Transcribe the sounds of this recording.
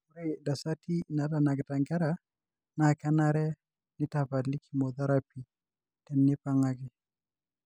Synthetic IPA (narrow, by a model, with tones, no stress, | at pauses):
u˦ɾeda˨sa˦ti˦na˨da˨na˨ɡɪ˨ta˨ŋɡɛ˦ɾa | na˨ka˦na˦ɾɛ˦ | nɪ˦tapa˨li˦kʰi˦mɔ˨ða˦ɾapi˨ | tɛ˨nːɪ˦pa˦ŋakɪ˦